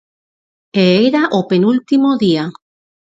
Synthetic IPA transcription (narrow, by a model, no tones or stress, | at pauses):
eeɾaʔopenult̪imoðia